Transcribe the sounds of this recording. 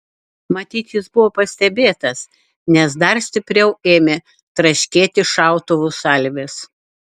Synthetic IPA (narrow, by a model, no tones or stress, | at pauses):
mɐt̪ʲiːt̪jɪsbʊʋoːpɐsʲt̪ʲɛbʲeːt̪ɐs | nʲɛs̬d̪ɐɾsʲt̪ʲɪpʲɾʲɛʊeːmʲeː | t̪ɾɐʃʲkʲeːt̪ʲɪʃɑˑʊt̪oʋusɐlʲʋʲɪs